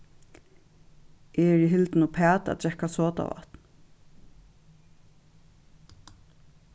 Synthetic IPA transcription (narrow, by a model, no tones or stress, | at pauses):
ʔɛɛɹiɦɪlt̪nupʰæːt̪a̰t̪ɹɛkasoːt̪a̰ʋa̰ht̪n